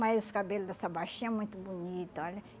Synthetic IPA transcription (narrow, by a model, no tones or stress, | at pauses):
majzʊskabelʊd̪ɐsabaʃĩɐɛmũj̃t̪ʊbunit̪ʊɔlʲɐ